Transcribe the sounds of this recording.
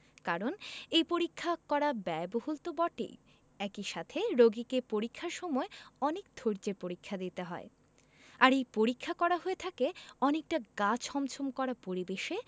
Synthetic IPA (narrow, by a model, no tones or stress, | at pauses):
kaɾonejpoɾikʰːakɔɾabɛbohult̪obɔʈḛj | ɛkiʃat̪ʰeɾoɡikepoɾikʰːaɾʃɔmɔeɔnek̚d̪ʱoɾd͡ʑeɾpoɾikʰːad̪it̪eɦɔ̰e | aɾejpoɾikʰːakɔɾaɦoet̪ʰakeɔnek̚ʈaɡat͡ɕhɔmt͡ɕʰomkɔɾapoɾibeʃe